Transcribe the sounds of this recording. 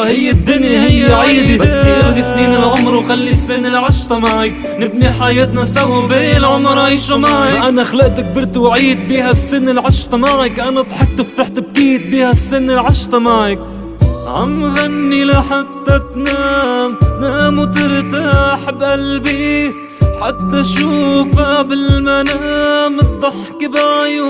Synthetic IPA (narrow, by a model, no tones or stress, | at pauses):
hɪjːɪd̪ːʊnjahɪjːaʕiːb̪ibaːiʔɾɡɪsniːnɪlʕʊmɾwxalːisːɪnːɪlʕaʃt̪ˤɑmaʕɪk | nɪb̚niħajeːt̪nasahubeːlʕʊmɾˤaʃamaʕʔanaxalaʔt̪ak̚bɪɾt̪wʕiːd̪̚biːhasːɪnːɪlʕaʃt̪ˤɑmaʕɪkʔanat̪ħɪk̪ːɪfːɪħt̪ɪb̚kiːt̪̚biːhasːɪnːɪlʕaʃt̪ˤɑmaʕɪk̚ | ʕa̰mɣanːilaħat̪ːat̪namnamut̪ɪɾt̪aħbʔalbi | ħat̪ːaʃuːfabɪlmanamɨt̪̚ˤːɑħkɪbaʕj